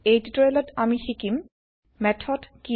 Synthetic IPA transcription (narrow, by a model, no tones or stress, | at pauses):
ejtutɔjlɔtamixikim | mɛtʰɔdki